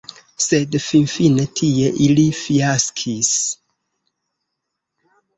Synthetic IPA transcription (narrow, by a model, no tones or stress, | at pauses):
sedfinfinetʰieʔilifiaskʰis